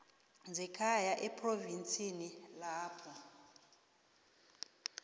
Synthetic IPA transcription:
nd͡zʱɛkʰajaʔɛpʰʼrovint͡sʼinilaːpʰɔ

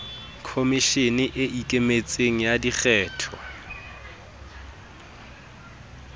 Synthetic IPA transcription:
kʰomiʃenɪʔɪʔikʼemet͡sʼeŋ̩jadiχɛːtʰɔ̰

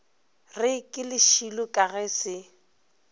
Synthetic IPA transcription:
rɪkʼɪlɪʃilʊkʼaɣɛsɪ

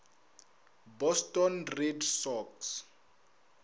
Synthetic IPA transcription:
bɔstʼɔnrɛdsɔks

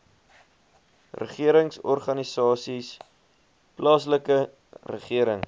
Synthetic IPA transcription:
rə̰χiəɾəŋsɔrχɐnisɑːsis | plɑːsləkə | rə̰χiəɾəŋ

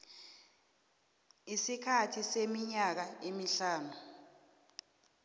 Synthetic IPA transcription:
isikʰatʰisemiɲak̬aemiɬaːnu

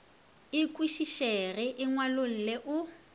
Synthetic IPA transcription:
ɪkʼwiʃiʃerɪʔɪŋwalol̩leʔʊ

